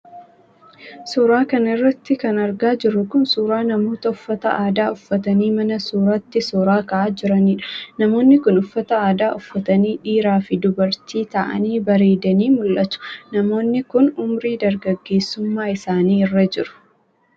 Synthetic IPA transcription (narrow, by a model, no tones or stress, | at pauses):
suːɾaːkɐnɪrːɐt̪ːɪkɐnɐɾɡaːd͡ʒɪrːʊkʊnsuːɾaːnɐmo̞ːt̪ɐʊfːɐt̪ɐ̰ʔaːd̪aːʊfːɐt̪ɐniːmɐnɐsuːɾat̪ːɪsɔːɾaːkɐʔaːd͡ʒɪɾɐniːᶑɐ̥nɐmo̞ːnːɪkʊnʊfːɐt̪ɐaːd̪aːʔʊfːɐt̪ɐniːᶑiːɾaːfɪd̪ʊbɐɾt̪iːt̪ɐʔɐ̰niːbɐɾeːd̪ɐniːmʊlʔɐt̪ʊ̥nɐmo̞ːnːɪkʊnʊmɾiːd̪ɐɾɡɐɡːe̞ːsːʊmːaːɪsaːniːɪrːɐd͡ʒɪɾʊ̥